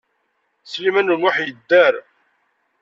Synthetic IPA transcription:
slimænunwaħjəd̪ːæɾ

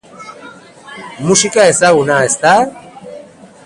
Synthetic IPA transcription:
musikaesaɣunaest̪a

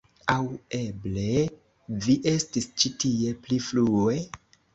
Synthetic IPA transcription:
awe̞ble̞ | viʔe̞stist͡ʃitie̞pliflue̞

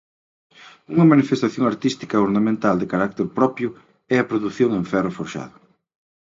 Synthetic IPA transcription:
uŋɐmanifest̪aθjõŋaɾt̪ist̪i̥kɐoɾnamẽnt̪ald̪ɪkaɾak̚t̪eɾpɾɔpjʊ | ɛɐpɾoðuθjõŋẽɱfɛrʊfoɾʃa̰ðʊ

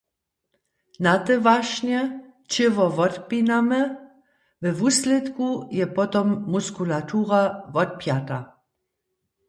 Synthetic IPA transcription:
nat̪ɛvaʃɲɛ | t͡ʃɪvɔvɔt̪pinamɛ | vɛvuːslɛt̪kujɛpɔt̪ɔmːuskulat̪uʁavɔt̪̚pjat̪a

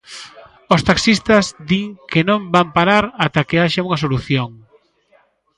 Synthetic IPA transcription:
ost̪aksist̪ɐzd̪iŋkenõmbampaɾaɾat̪akeaʃauŋɐsoluθjoŋ

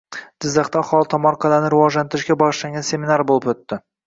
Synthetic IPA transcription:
d͡ʒɪzːɑχt̪aːχɒlˠt̪ʰɒmɒɾqʰɑlanɪɾɪwɒʒlant̪ʰɪɾɪʃkʲabɒʁɨʃlaŋɡʲanse̞mɪnaɾbolˠɪpɵt̪ːɪ

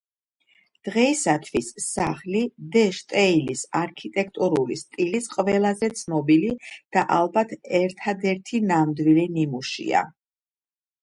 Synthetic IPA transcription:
d̪̥ʁɛisat̪ʰvisːaχlid̪ɛʃt̪ʼɛilisaɾkʰit̪ʼɛk̚ʰt̪ʼuɾulist̪ʼilisqʼvɛlˠazɛt̪sʰnɔbilid̪̥aʔalˠbat̪ʰɛɾt̪ʰad̪ɛɾt̪ʰinamd̪wilinimuʃḭa̰

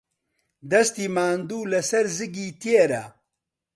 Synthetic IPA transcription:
d̪ɐst̪iːmaːnd̪uːlɐsɐɾzɨɡiːt̪ieɾɐ̰

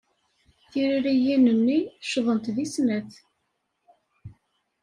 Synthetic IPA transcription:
θiɾiɾijinənːiʃðˤənt̪ðisnæθ

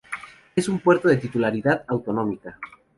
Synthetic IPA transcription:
esumpwe̞ɾt̪oðe̞t̪it̪ulaɾiðaðawt̪o̞nõ̞mika

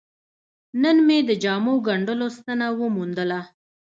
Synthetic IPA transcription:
nənmed̪əd͡ʒɑmoɡaɳɖəlost̪anawəmund̪əla

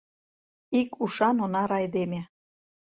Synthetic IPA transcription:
ikuʃɑnonɑɾɑjd̪eme

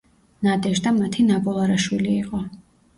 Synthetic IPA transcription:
nad̪ɛʃd̪amat̪ʰinabɔlˠaɾaʃwiliːqʼɔ

